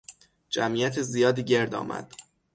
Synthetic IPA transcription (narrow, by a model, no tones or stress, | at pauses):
d͡ʒæmiːjæt̪ʰezijɒːd̪iːɟe̞ɾd̪ɒ̰ːmʔæ̰d̪̥